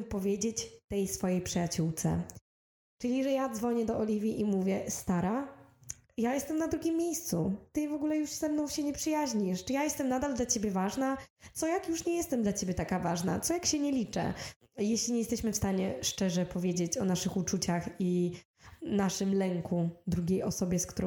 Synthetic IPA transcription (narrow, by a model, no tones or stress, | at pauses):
pɔvʲjed͡ʑet͡ɕt̪ɛjsfɔjejpʂɨjat͡ɕuwt̪sɛ̰ | t͡ʂɘlʲiʐɛjad̪zvɔɲɛd̪ɔʔɔlʲivʲiʔimuvʲjɛst̪aɾa | jajɛst̪ɛmnad̪ɾuɡʲimːʲjejst̪sut̪ɘvɔɡulɛjuʂz̥ɛmnɔ̃w̃ɕɛɲɛpʂɨjaʑɲiʂt͡ʂɨjajɛst̪ɛmnad̪ald̪lat͡ɕebʲjɛvaʐnat̪sɔjakjuʂɲɛjɛst̪ɛmd̪lat͡ɕebʲjɛt̪akavaʐna̰t̪sɔjakɕɛɲɛlʲit͡ʂɛ̰ | jɛɕlʲiɲɛjɛst̪ɛɕmɘfst̪aɲɛʂt͡ʂɛʐɛpɔvʲjed͡ʑet͡ɕɔnaʂɘxut͡ʂut͡ɕaxi | naʂɘmlɛŋkud̪ɾuɡʲejɔsɔbʲjɛskt̪uɾɔ̃